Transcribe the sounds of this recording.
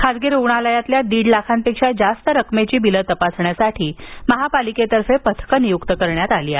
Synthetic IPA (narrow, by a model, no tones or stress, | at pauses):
kʰad͡zɡeɾuɳaləjat̪ljad̪iːɽlakʰampekʂad͡zast̪əɾəkmet͡ɕiːbilət̪əpasɳjasaʈʰiːməɦapaliket̪əɾfepət̪ʰkənijukt̪əkəɾɳjat̪aliːa̰